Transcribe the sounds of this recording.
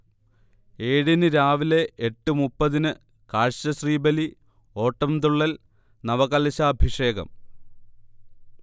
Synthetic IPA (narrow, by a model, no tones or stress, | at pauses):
e̞ːɽinɨɾaːʋile̞eʈːumupːɐðinɨ | kaːɻɕɐɕriːbɐli | o̞ːʈːɐmd̪uɭːɐl | nɐʋɐɣɐlɐɕaːbʱiʂe̞ːɡɐ̰m